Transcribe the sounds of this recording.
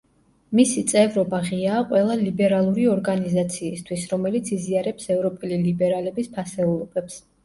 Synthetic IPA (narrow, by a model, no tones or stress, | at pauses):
misit̪sʼɛvɾɔbaʁiaːqʼwɛlˠalibɛɾalˠuɾiɔɾɡanizat̪sʰiːst̪ʰwisɾɔmɛlit̪sʰiziaɾɛpsɛvɾɔpʼɛlilibɛɾalɛbispʰasɛulˠɔb̥ɛps